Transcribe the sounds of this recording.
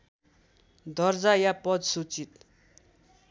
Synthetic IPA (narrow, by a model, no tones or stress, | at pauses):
d̪ʌrd͡zajapʌd̪sut͡sit̪